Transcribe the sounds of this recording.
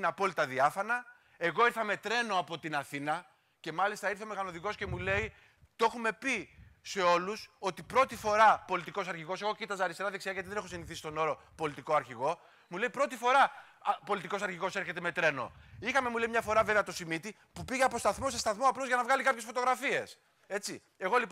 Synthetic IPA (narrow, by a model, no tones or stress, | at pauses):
nɐpo̞lit̪ɐðiɐfɐnɐ | e̞ɣo̞iɾθɐme̞t̪ɾe̞no̞ɐpo̞t̪inɐθinɐ | ce̞mɐlist̪ɐiɾθeomeɣɐnoðiko̞sce̞mule̞i | t̪o̞xume̞pise̞o̞luso̞t̪ipɾo̞t̪ifo̞ɾɐpo̞lit̪iko̞sɐɾçiɣo̞se̞ɣo̞cit̪ɐzɐːɾist̪eɾɐðeksiɐʝɐt̪iðenexosiniθisist̪o̞no̞ɾo̞po̞lit̪iko̞ɐɾçiɣo̞ | mule̞ipɾo̞t̪ifo̞ɾɐ | po̞lit̪ikosɐɾçiɣo̞se̞ɾçe̞t̪e̞me̞t̪ɾe̞no̰ixɐme̞mule̞imɲɐfo̞ɾɐveveɐt̪o̞simit̪i | pupiʝeɐpo̞st̪ɐθmo̞se̞st̪ɐθmoɐplo̞zʝɐnɐvɣɐlikɐpçe̞sfo̞t̪o̞ɣɾɐfie̞s | e̞t͡si | e̞ɣo̞li